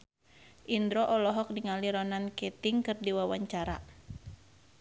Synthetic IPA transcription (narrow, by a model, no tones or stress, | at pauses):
ʔindɾɔʔɔlɔɦɔk̚diŋaliɾɔnankɛt̪iŋkɨrdiwawaɲt͡ʃaɾa